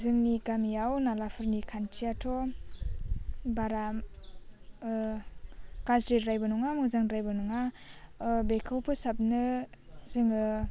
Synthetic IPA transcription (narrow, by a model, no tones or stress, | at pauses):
zɯŋnikamijawnalapʰɯɾnikʰantʰiatʰɔ | baɾam | kasɾetɾajbɯnuŋamɯzaŋɾajbɯnuŋa | bekʰawpʰɯsap̚nɯzɯŋɯ